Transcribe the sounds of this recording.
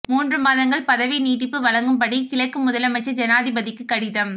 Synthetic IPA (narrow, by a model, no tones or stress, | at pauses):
muːndrɯmaːðɐŋɡɐɭpɐðɐʋiniːʈːɪpːɯʋɐɭɐŋɡɯmpɐɽikɪɭɐkːɯmʊðɐlɐmɐɪt͡ʃːɐd͡ʒɐnaːðɪbɐðɪkːɯkːɐɽɪðɐm